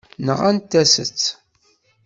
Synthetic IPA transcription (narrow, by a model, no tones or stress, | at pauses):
nəʁænt̪ːæsə̰t͡sː